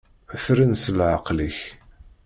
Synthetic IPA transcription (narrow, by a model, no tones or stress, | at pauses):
æfɾinsəlʕəqliç